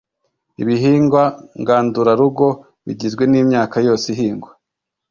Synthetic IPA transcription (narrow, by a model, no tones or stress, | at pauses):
iβiɦiːŋɡwaŋɡaːnduɾaɾuɡo̞ | βḭɟizɡwe̞niːmɲaːkajo̞ːsiɦiːŋɡwa